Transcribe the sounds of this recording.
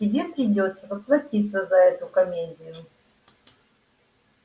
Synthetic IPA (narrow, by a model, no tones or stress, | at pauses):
tʲɪbʲe̞pɾʲɪdʲo̞t̪səvəplˠɐtʲit̪sːəzɐɛt̪ʊkɐmʲedʲɪjʊ